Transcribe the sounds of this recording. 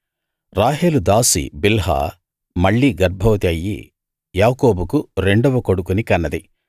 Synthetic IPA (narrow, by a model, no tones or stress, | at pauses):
ɾaːɦeːlud̪aːsḭbilɦa̰ː | mɐɭːiːɡɐɾbʱɐʋɐt̪iɐjːḭ | jaːkoːbukuɾe̞ɳɖɐʋɐkoɽukunikɐnːɐd̪i